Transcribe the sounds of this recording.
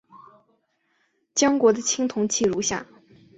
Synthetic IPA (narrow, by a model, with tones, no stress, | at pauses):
t͡ɕjɑ˥ŋkwɔ˧˥d̪ə˧t͡ɕʰi˥ŋt̪ʰʊ˧˥ŋt͡ɕʰi˥˩ɻu˧˥ɕja̰˥˩